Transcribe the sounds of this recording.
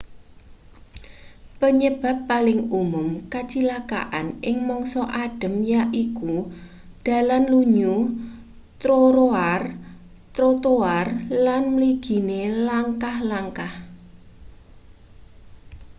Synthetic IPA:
pəɲəb̥a̤pːalɪŋumʊmkat͡ʃilaka̰ʔa̰nɪŋmɔŋsɔʔaɖ̥ə̤mjaʔiku | d̥a̤lanluɲu | t̪ɾoɾoar | t̪ɾot̪oarlanməliɡ̥i̤nelaŋkahlaŋkah

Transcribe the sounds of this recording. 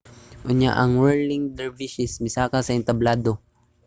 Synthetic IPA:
ʔʊɲja̰ʔɐŋwɛɹlɪŋd̪ɛɹviʃɪsmɪsaːkasɐɪnt̪ɐblaːd̪o

